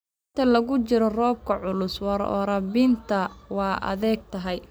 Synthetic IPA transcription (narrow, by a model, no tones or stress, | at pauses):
ɪnt̪ʰɐlɐɣʊt͡ʃɪɾɔrɔːb̚kʰɐʕʊlʊswɑɾɔ̰ɾɐbint̪ʰɐwɑːʔɐ̰ðɛːɡ̚t̪ʰɐɦɛj